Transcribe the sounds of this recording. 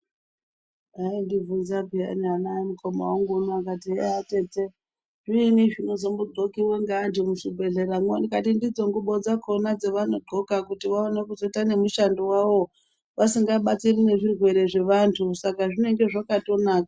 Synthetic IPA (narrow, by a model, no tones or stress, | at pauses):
aindivunzabʱia̰nianaimukʰo̞ma̰waŋɡunoakatieate̞t͡se | ʐiniʐino̞zombuɡ͡ǃʱokiweŋɡandimuʂibʱe̞ɮe̞ɾamndikatindid͡zo̞ŋɡuɓo̞d͡zakʰo̞nad͡zeʋanoɡ͡ǃo̞kakutiʋaone̞kuzoitane̞muʃandowaʋo̞ | ʋasiŋɡaɓat͡sirine̞ʐirwe̞ɾe̞ʐe̞ʋantʰusakaʐine̞ŋɡe̞ʐakato̞naːkḁ